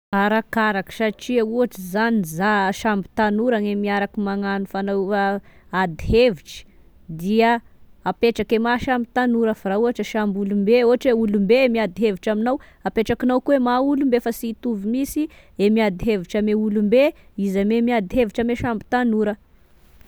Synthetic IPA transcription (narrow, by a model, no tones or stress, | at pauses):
aɾakaɾaki̥saʈ͡ʂiauaʈ͡ʂizanizaʃambi̥t̪anuɾanemiaɾakimaŋanufanaa | ad̪iɦeviʈ͡ʂi̥ | d̪iə | apeʈ͡ʂakemaʃambit̪anuɾəfaɾauɦaʈ͡ʂəʃambulumbeoaʈ͡ʂeulumbemiad̪iɦeviʈ͡ʂaminaw | apeʈ͡ʂakinawkuemaulumbefasit̪uvimisi | emiad̪iɦeviʈ͡ʂameulumbeizamemiad̪iɦeviʈ͡ʂameʃambi̥t̪anuɾə